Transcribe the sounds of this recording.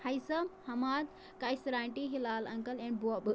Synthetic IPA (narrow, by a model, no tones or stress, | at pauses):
hɐjsɐmhɐmaːd̪ | kajsɾaːɳʈiɦilaːlɐ̃ŋkəlɛ̃ɳɖbuabɨ